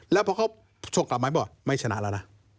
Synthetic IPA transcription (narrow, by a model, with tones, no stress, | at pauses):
lɛː˦˥pʰɔː˧kʰa˧˥˩w | so˧ŋkla˨˩p̚mː˨˦jbɔː˨˩ma˥˩jt͡ɕʰa˧na̰˧˨la˧˩na˧˩